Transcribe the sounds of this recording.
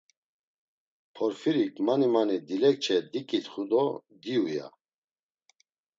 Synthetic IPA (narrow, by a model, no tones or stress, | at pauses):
pʰɔɾfiɾikʼmanimanid̪ilɛk̚t͡ʃʰɛd̪ikʼit̪χud̪ɔd̪iuja̰